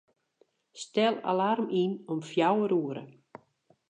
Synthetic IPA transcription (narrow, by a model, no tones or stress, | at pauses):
stɛlˠa̰larminɔmfjawəɾuəɾə̰